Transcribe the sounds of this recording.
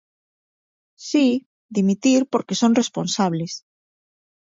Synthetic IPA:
si | ðimit̪iɾpoɾkesõŋresponsaβles

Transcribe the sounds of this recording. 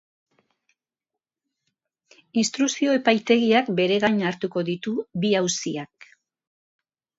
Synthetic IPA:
inst̪ɾusio̞e̞pajt̪e̞ɣiakbe̞ɾe̞ɣaɲaɾt̪uko̞ðit̪uβiawsiak̚

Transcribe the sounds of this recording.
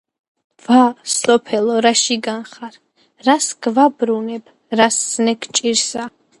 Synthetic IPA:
vasɔpʰɛlɔɾaʃiɡanχaɾ | ɾasɡvabɾunɛb | ɾasːnɛkʰt͡ʃʼiɾsa

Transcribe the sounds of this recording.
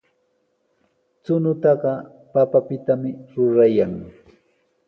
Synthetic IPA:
t͡sʊnʊt̪ɑɢɑ | papapɪt̪amɪɾʊɾajaŋ

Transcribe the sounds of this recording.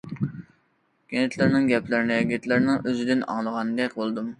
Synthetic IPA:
ɡ̥ʲenɪt̪ʰlɪɾnɪŋɡʲɛplɪɾɪnɪɡʲet̪ʰlɪɾnɪŋʔøzɪd̪ɪnɑ̰ŋlˠəʁɑnd̪ɛkʲbolˠd̪um

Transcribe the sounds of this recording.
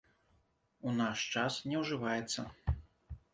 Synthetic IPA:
unaʂt͡ʂasnʲɛwʐɨvajɛt̪sːɐ

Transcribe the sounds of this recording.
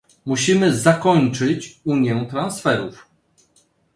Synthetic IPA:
muɕimɘzakɔɲt͡ʂɘt͡ɕuɲjɛ̃t̪ɾansfɛɾuf

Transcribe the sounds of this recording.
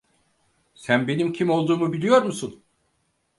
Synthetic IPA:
sænbe̞nimcʰimo̞lˠd̪uːmubilʲijo̞ɾmusun

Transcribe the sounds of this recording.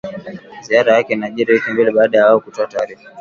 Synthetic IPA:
ziaɾajakɛinaʄiɾihikɛmbilɛɓaːɗajawaɔkutɔataːɾifḁ

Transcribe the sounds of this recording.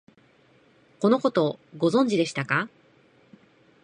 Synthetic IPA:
ko̞no̞ko̞t̪o̞ɡo̞zõ̞ɲ̟d͡ʑid̪e̞ɕi̥t̪aka

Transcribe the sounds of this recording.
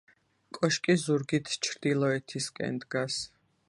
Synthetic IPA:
kʼɔʃkʼizuɾɡit̪ʰt͡ʃʰɾd̪ilˠɔɛt̪ʰiskʼɛ̰nd̪ɡas

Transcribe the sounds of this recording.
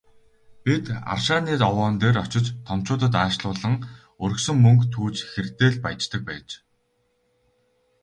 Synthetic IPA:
pʲit̪a̰rʃaːniːt̪ɔwɔːnt̪eːrɔt͡ɕɪ̆t͡ɕt̪ʰɔm̥t͡ɕʊːt̪ə̆t̪aːʃɮʊːɮə̆ŋ | ɵɾɵ̆ksɵ̆ŋmɵŋkt̪ʰuːt͡ɕxert̪eːɮpaj̆t͡ɕt̪ə̆k̚pæːt͡ɕ

